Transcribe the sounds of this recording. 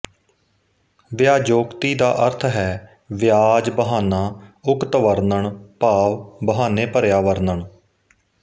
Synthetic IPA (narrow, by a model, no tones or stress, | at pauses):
ʋjaːd͡ʒoːkt̪iːd̪aːʔəɾt̪ʰɦɛː | ʋɪjaːd͡ʒbəɦaːnaːʊkt̪ʋəɾnəɳpaːʋbəɦaːneːpəɾjaːʋəɾnəɳ